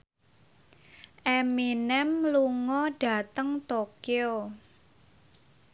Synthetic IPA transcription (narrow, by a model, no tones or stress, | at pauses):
ʔeminɛmluŋɔɖ̥ä̤t̪əŋt̪okeo